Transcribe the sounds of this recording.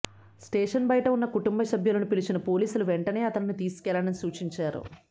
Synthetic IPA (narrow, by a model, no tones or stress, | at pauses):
sʈeːʂɐnbɐjʈɐunːɐkuʈumbɐsɐbʱjɐlɐnupilit͡ʃinɐpo̞ːliːsuluʋeɳʈɐne̞ːɐt̪ɐnnit̪iːsu̥kɛlanɐnisuːt͡ʃiɲt͡ʃaːɾṵ